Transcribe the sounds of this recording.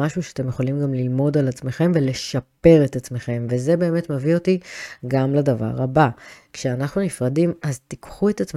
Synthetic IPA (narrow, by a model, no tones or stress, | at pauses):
aʃuʃeat̪e̞mjeχo̞limɡamlilmo̞dalat͡sme̞χe̞mve̞le̞ʃape̞ʁet̪at͡sme̞χe̞mve̞ze̞be̞ːme̞t̪mevio̞t̪iɡamled̪ava̰ʁabakʃeanaχnunifʁadimazt̪ikχuet̪at͡sm